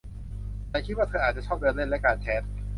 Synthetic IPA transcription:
laː˧˩jkʰi˦˥waː˥˩t̪ʰɤː˧ʔaː˨˩t̪̚t͡ɕa˨˩t͡ɕʰɔː˥˩p̚dɤː˧nle˥˩nlɛ˦˥kaː˧nt͡ɕʰɛː˦˥t̪̚

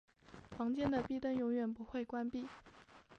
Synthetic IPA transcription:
fɑ˧˥ŋt͡ɕjɛ˥nd̪ə˨pi˥˧t̪ə˥˩ŋjʊ˧˥ŋɥɛ˨˩npu˧˥xwe˥˩ɪkwa˥npi˥˩

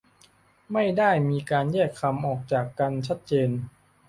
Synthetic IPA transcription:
ma˥˩jdaː˥˩jmiː˧kaː˧njɛː˥˩kʰːa˧mʔɔː˨˩k̚t͡ɕaː˨˩kːa˧nt͡ɕʰa˦˥t̪̚t͡ɕeː˧n

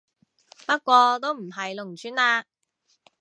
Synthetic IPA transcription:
pɐ˥t̚kʷɔː˧t̪o˥wm̩˨˩ɦɐ˨jlʊ˨˩ŋt͡ʃʰyː˥naː˧

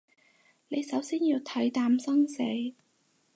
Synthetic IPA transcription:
ne˨˧jsɐ˨˥wsiː˥njiː˧wt̪ʰɐ˨˥jt̪aː˧˥msɐ˥ŋse˨˥j

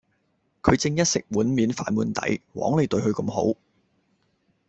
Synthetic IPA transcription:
kʰɵ˨˧ɥt͡sɪ˧ŋjɐ˥t̚sɪ˨k̚wuː˨˥nmiː˨˥nfa̰ː˨˥nmuː˨˧nt̪ɐ̰˨˥jwɔ̰ː˨˥ŋle˨˧jt̪ɵ˧ɥhɵ˧ɥkɐ˧mɦo̰˨˥w

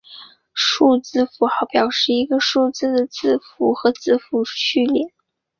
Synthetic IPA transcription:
ʂu˥˧t͡sɹ̩˥˧fu˧˥xɑ˧˥ʊpjɑ˨˩ʊʂɻ̩˥˩i˧˥ɡə˧ʂu˥˧t͡sɹ̩˥˩d̪ə˩t͡sɹ̩˥˩fu˧˥xɤ˧˥t͡sɹ̩˥˩fu˧˥ɕy˥˩ljɛ˨˩˦n

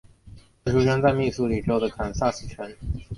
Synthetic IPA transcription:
a˥˩ʈ͡ʂu˧˥t͡ɕɛ˥nt͡sa˥˧ɪmi˥˩su˧˥li˨˩ʈ͡ʂɻho˥˩ʊdə˩kʰa˨˩nsa˥˩sɹ̩˨˩t͡ɕʰɥɛ˧˥n

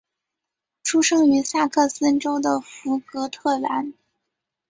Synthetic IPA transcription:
ʈ͡ʂʰu˥ʂɤ˥ŋy˧˥sa˥˩kʰɤ˥˩sə˥nʈ͡ʂo˥ʊd̪ə˨fu˧˥kɤ˧˥t̪ʰɤ˥˩la˧˥n

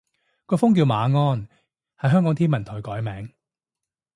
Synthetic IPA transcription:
kɔː˧fʊ˥ŋkiː˧wmaː˨˧ŋɔː˥n | hɐ˨˥jɦœː˥ŋkɔː˨˥ŋt̪ʰiː˥nmɐ˨˩nt̪ʰɔː˨˩jkɔː˨˥jmɛː˨˥ŋ

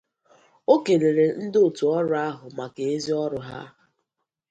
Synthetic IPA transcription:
o˦ke˨le˨ɾe˨n̩˦do˨tu˨ɔ˦ɾʊ˦a˦ɦʊ˨ma˨ke˨e˦zi˦ɔ˦ɾʊ˦ɦa̰˦

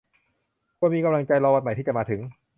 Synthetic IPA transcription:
kʰu˧˥nmiː˧ka˧mla˧ŋt͡ɕa˧jlaː˧wa˧˩t̪̚ma˨˩jt̪iː˥˩t͡ɕa˨˩maː˧t̪ʰɯ˩˦ŋ

